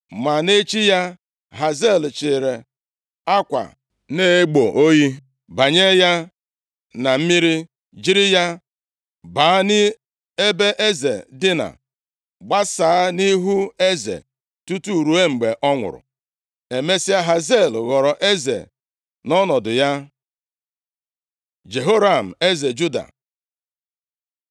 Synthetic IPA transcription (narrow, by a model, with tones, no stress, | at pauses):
ma˨ne˦t͡ʃi˦ja˦ | ɦa˨ze˦˨lt͡ʃɪ˨ɾe˨ | a˦kʷa̰˨ | ne˦e˦ɡ͡bo˨ʔo˦ji˦ | ba˨ɲe˦ja˦ | na˨m̩˦mi˦ɾi˦ | d͡ʒi˦ɾi˦ja˦ | baː˨˦a˦nɪ˦ | e˦be˦ʔe˦zḛ˨dɪ˦na̰˨ | ɡ͡ba˦sa˨a˦ni˦ɦu˦e˦zḛ˨ | tu˦tu˦˨ɾu˨˦e˦ŋ͡m̩˨ɡ͡be˨ʔɔ˦ŋʷʊ̰˨ɾʊ̰˨ | e˨me˦si˦a˦ɦa˨ze˦˨lɣɔ˨ɾɔ˨ʔe˦zḛ˨ | nɔ˦nɔ˨dʊ˨ja˦ | d͡ʒe˨ɦo˦ɾa˨m̩˨e˦ze˨d͡ʒu˦da̰˨